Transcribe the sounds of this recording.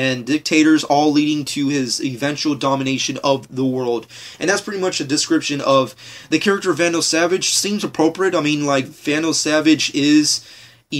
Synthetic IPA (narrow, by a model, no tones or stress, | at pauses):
ɨ̃ndɪk̚tʰeɪɾə˞zɔlˠliɾɪ̃ŋtʰɨɪzɪvɛ̃nt͡ʃul̩ˠdɑmɨneɪʃɨ̃nʌvðəwɜ˞lˠd | ʔɨ̃nðætspʰɹ̥ɪɾimʌt͡ʃɨdɨskɹɪpʃɨ̃nʌvðɨkʰɛɹɨk̚tə˞ʌvæ̃noʊsævɨ̥ʒ̥sĩmzəpʰɹ̥oʊpɹiɨɾaɪmĩnlaɪkv̥æ̃noʊsævɨd͡ʒɪz̥